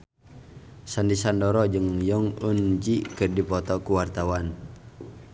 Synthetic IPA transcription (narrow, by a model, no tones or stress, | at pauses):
sandisandɔɾɔd͡ʒɨŋjɔŋund͡ʒikɨrdipɔt̪ɔkuwart̪awan